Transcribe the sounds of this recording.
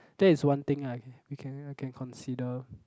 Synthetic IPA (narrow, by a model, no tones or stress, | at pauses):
d̥ɛɪswãnt̪ɪ̃ŋawikʰɛ̃nkʰɛ̃nkʰɔ̃nsidə